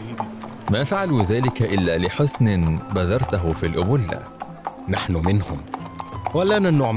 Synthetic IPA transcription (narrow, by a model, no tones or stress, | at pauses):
maːfaʕaluːðaːlɪkaʔɪlːaːlɪħʊsnɪnbaðɑɾˤt̪aɦʊfiːlʔʊbʊlːa̰ | naħnʊmɪnhʊmwalaːnanʊʕ